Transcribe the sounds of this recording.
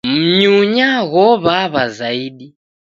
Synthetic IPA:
m̩ɲuɲaɣɔβaβazaiɗi

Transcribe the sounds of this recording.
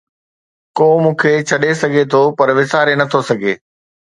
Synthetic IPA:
koːmũːkʰet͡ɕʰɐɗesɐɡʱet̪ʰopɐɾʋɪsaːɾenɐt̪ʰosɐɡʱeː

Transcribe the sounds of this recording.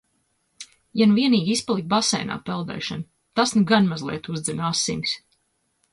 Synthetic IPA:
januviɛniːɡʲispalˠik̚basɛ̰jna̰ːpɛlˠd̪ɛ̰ːʃan | t̪asnuɡanmazlˠḭɛt̪uzd̪zinasːḭmʲs

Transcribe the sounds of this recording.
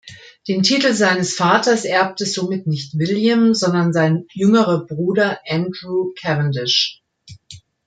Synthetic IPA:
d̥eːntʰiːtl̩zaɪnəsfaːtɐsʔɛɐp̚təzoːmɪtnɪçtv̥ɪljamzɔndɐnzaɪnjʏŋəʁəbʁuːdɐʔændʁuːkʰɛvəndɪʃ

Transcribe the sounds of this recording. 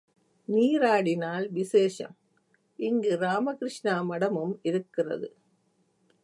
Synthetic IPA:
niːɾaːɽɪnaːlʋɪseːʂɐ̰m | ʔɪŋɡɯɾaːmɐkɪɾɪʂɳaːmɐɽɐmɯmɪɾɯkːɪrɐ̰ðɯ

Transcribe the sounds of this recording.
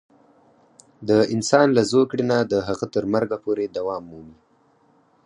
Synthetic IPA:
d̪əɪnsɑnlazokɽenad̪əɦaɣat̪əɾmaɾɡapoɾed̪awɑmːumi

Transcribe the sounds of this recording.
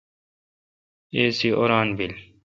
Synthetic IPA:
eːsiʔo̰ɾaːnbil

